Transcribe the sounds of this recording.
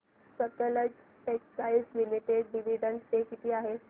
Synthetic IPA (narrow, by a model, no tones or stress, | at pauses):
sək̪ələd͡ʑ | peksaisliliʈeɖːiʋiɖəɳʈt̪ekit̪ʰiːaɦe